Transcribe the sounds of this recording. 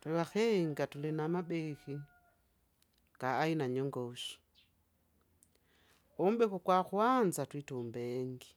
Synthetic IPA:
twɛwaxɛŋɡatulinamabɛxi | kaːinaɲɔŋɡɔʃi̥ | umbɛkukwaxwanzatwitumbɛŋɡi

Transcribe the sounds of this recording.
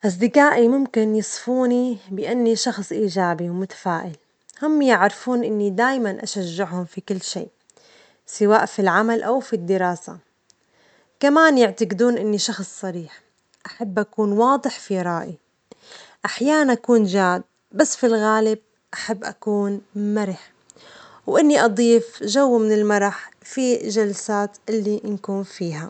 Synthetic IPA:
ʔas̬d̪ɪkaːʔimʊmkɪnjɨsˤfuːnibɪʔanːiʃɑxsˤʔiːʒaːbiwmʊt̪ḁfaːʔɪl | hʊmːjɪʕɾɪfuːnʔɪnːid̪aːjmanʔaʃaʒːɪʕhʊmfikɪlːʃḭːʔ | sɪwaːʔfilʕamalʔawfid̪ːɪɾˤɑːsa̰ | kamaːnjɪʕt̪aqɪd̪uːnʔɪnːiʃɑxsˤːɑɾiːħ | ʔaħabːʔakuːnwɑːd̪ˤɨħfiɾˤɑːʔi | ʔaħjaːnanʔakuːnʒaːd̪̚ | basːfilɣaːlɪb̚ | ʔaħabːʔa̰kuːnmaɾɪħ | wʔɪnːiʔɑd̪ˤiːfʒawːmɪnɪlmɑɾˤɑħfiʒalsaːt̪ʔɪlːinkuːnfiːɦa

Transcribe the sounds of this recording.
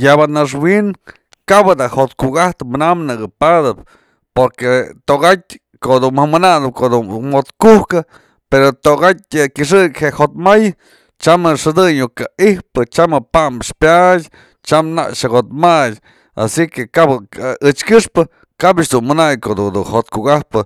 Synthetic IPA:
jabanaʂ̬win | kabɨd̪ahot̪kukaht̪ɨmɨnamnɨɡɨpad̪ɨp̚ | poɾket̪oʔɡat̚ʲ | koʔd̪umamɨnad̪ɨp̚koʔd̪umot̪kuhkɨ | peɾot̪oʔɡat̚ʲkʲɨʂ̬ɨkʲheʔhot̪̚maj | t͡ʃamɨʂɨd̪ɨɲukaihpɨt͡ʃamɨpambʂpjatʲ | t͡ʃamna̰ʔʂakot̪̚majʲ | a̰sikekabɨt͡ʃkɨʂpɨ | kabat͡ʃd̪unmɨnajkod̪ud̪uhot̪kukahpɨ

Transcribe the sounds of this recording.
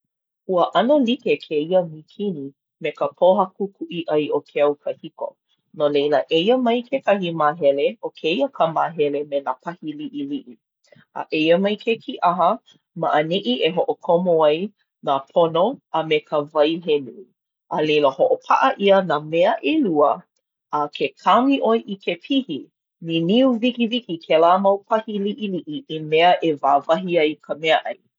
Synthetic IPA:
huəʔɐnolitekʰeiəmikʰini | mekəpʰoɦɐkʰukʰuʔiʔɐjʔokʰeɐwkʰəhiko̰ | nolejləʔejəmɐjkʰekɐhimaːɦɛleokʰeiəkʰəmaːɦɛlemenapʰɐhiliʔiliʔi | ʔə̰ʔejəmɐjkʰekʰiʔaɦə | ma̰ʔəniʔiʔeɦoʔokʰomoaj | napʰonoəmekʰəvɐjɦenu | ʔalejləhoʔopʰaʔəʔiənameəʔeluə | akʰekʰaŋiʔojʔikʰepʰihi | niniuvikivikikʰelaːmɐwpʰɐhiliʔiliʔiʔimeəʔevaːvɐɦiɐjkʰəmɛəʔɐj

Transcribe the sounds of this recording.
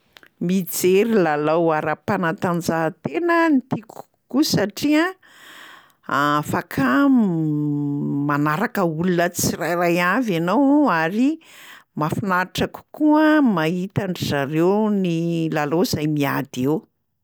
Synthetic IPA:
mid͡zeɾilalawaɾapanat̪and͡zat̪enənit̪iku̥ | kusaʈ͡ʂia | afakʰa | manaɾakəulunət͡sirajrajavanowaɾi | mafinaiʈ͡ʂaku̥kuəmait̪aɳɖ͡ʐizaɾewnilalowz̥ajmia̰d̪ew

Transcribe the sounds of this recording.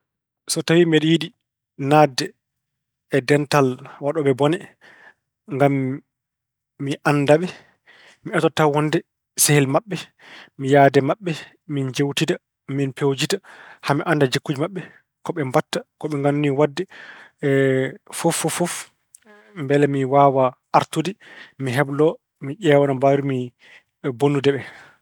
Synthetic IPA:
sɔtawimɛɗjiɗi | nadːɛː | dɛntalwaɗɔɓɛbɔnɛ | ŋɡam | iʔanːdaɓɛ | miatɔtːahɔndɛ | sehɛlmaɓːɛ | mijaːdɛmaɓːɛ | mind͡ʒewtita | minpewd͡ʒitahamiʔandad͡ʒekːud͡ʒimaɓːɛ | kɔɓɛmbatːakɔɓɛŋɡamːiwadːɛ | fofːɔfɔf | mbɛlɛmiwaːwaʔːɾtudimiɦɛblɔ | miʔɛwanambaɾumi | bonːudɛɓɛ

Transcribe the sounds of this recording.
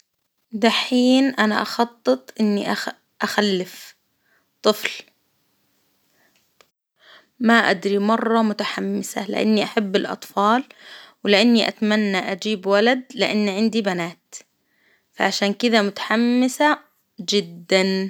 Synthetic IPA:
d̪aħiːnʔanaʔɑxɑt̪ˤːɨt̪ˤʔɪnːiʔa | ʔaxalːɪf | t̪ˤɨfl | maʔa̰d̪ɾimɑrˤːɑmʊt̪aħamːɪsa̰lɪʔa̰nːiʔaħabːɪlʔɑ̰t̪ˤfɑːlwɪlɪʔanːiʔa̰t̪amanːaʔad͡ʒiːbwalad̪lɪʔanːiʕɪnd̪ibanaːt̪ | faʕaʃaːnkɪd̪amʊt̪ḁħamːɪsa | d͡ʒɪd̪ːan

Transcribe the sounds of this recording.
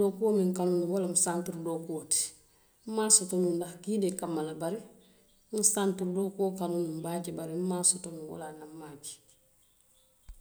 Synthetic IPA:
dokuomiŋkanunuwalamusantuɾdokuoti̥ | m̩maːsotomundaxkidekamːalabaɾi | ŋ̩santuɾdokokanunumbaːɟebaɾim̩masotomuwa̰lanamːaːki̥

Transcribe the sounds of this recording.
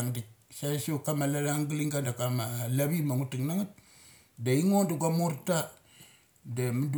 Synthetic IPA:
ŋdik̚sasiokamalalaŋɡiliŋɡandakamalaβimaŋutuŋnaŋat̚ | daiŋoduɡamoɾta | damud

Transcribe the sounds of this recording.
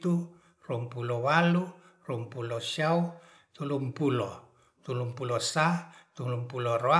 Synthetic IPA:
t̪u | rumpulɔwalu | rumpulɔsiau | t̪ulumpulɔ | t̪ulumpulɔsat̪ulumpulɔroa

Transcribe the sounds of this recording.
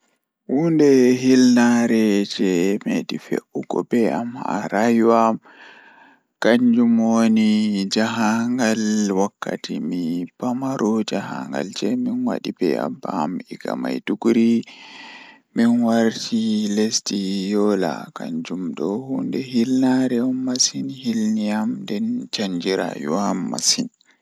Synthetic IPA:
hundɛɦilnaɾɛd͡ʒɛmeɗifḛʔːuɡɔbɛamha̰ɾajwam | kaɲd͡ʒumwonid͡ʒaɦaŋɡalwakːa̰tʰimipamaɾʔɔd͡ʒaɦa̰ŋɡa̰ld͡ʒɛminwa̰ɗibɛ̰a̰bːamiɡa̰majduɡuɾi | minwaɾtʰilestijɔla̰ka̰ɲd͡ʒumdɔhundɛɦilnaɾɛumːasinhilnijamdɛnt͡ʃaɲd͡ʒiɾa̰jṵwamːa̰sin

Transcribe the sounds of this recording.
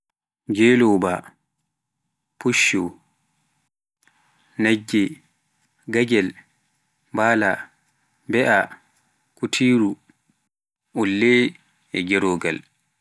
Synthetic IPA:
d͡ʒɛːlɔba̰ | puʃːɔ | nad͡ʒːɛ | ɡaɡɛl | baːla | bɛʔa | kutʰiːɾu | ulːɛ | ɛɡɛɾɔːɡa̰l

